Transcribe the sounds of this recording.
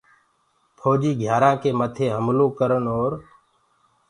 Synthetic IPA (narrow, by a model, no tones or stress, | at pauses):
pʰoːd͡ʒiːɡʱjaːɾãːkeːmət̪ʰeːɦəmlõːkəɾənɦoːɾ